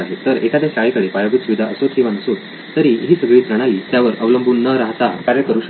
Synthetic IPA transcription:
aɦet̪əɾekad̪eɕajkəɽepajaɡut̪suʋid̪ʱaʔəsot̪ɦĩʋanəsot̪ | t̪əɾiɦiːsəɡɭiːt̪ɾəɽ̃aliːt̪jaʋəɾəʋləmbʱuːnːəɾaɦt͡sakaɾəkəɾuːɕə

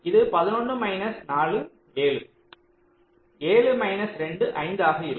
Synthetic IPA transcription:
ɪðɯpɐðɪnɔɳːɯmɐɪnɐsnaːɭɯ | eːɭɯ | eːɭɯmɐɪnɐsɾɛɳɖɯʔɐɪnd̪aːɣɐɪɾ

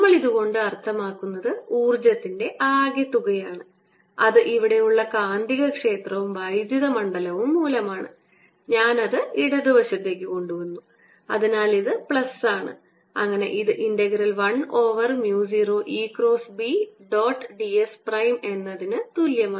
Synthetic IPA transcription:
nmːɐɭiðuɣo̞ɳɖɨɐrt̪ʰːɐmaːkːunːɐðɨuːrd͡ʑɐt̪ːinde̞ʔaːɡjɐt̪ːuɣɐjaːɳɨ | ɐ̰ðɨʔiʋiɽe̞juɭːɐkaːnd̪iɣɐkʂe̞ːt̪rɐʋumʋɐjd̪jɐðɐmɐɳɖɐlɐʋumːuːlɐmaːɳɨ̰ | ɲaːnɐðɨiɽɐðiʋɐɕɐt̪ːe̞ːk̬ʲːɨko̞ɳɖuʋɐnːu | ɐ̰ðinaːliðɨpɭɐsaːɳɨ̰ | ɐ̰ŋːɐne̞̰ʔiðɨʔinɖɐɣɐɾɐlʋɐɳo̞ːʋɐrmjuːs̬iroːʔiːkro̞ːsbiɖoːʈːɖiesprɐjme̞nːɐðinɨt̪uljɐmaː

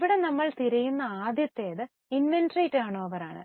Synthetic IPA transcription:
ʋiɽe̞nɐmːɐɭt̪iɾɐjunːɐaːd̪jɐt̪ːe̞ːðɨ | inʋenɖriʈːaːɳoːɐʋɐɾaːɳɨ̰

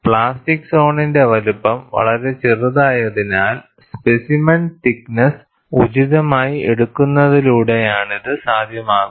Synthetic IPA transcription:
pɭaːstikso̞ːɳinde̞ʋɐlupːɐmʋɐ̰ɭɐɾe̞t͡ɕiruðaːjɐðinaːl | spesimɐntiknɐs | ud͡ʑiðɐmaːjieɽukːunːɐðiluːɽe̞jaːɳiðɨsaːd̪ʱjɐmaːɣu

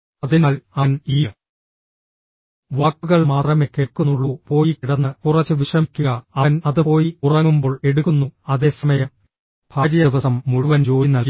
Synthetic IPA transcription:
ɐðinaːlɐniː | ʋaːkːuɣɐɭmaːt̪rɐmekːeɭkːunːuɭːupo̞ːjikiɽɐnːɨkurɐt͡ɕːɨʋiʂrɐmikʲːuɣɐɐnɐðɨpo̞ːjiurɐŋːumbo̞ːɭe̞ɽuɣunːuɐðe̞ːsɐmɐjɐm | b̥ʱaːɾjɐiʋɐsɐmːuɻuʋɐnt͡ɕo̞ːjinːɐlk

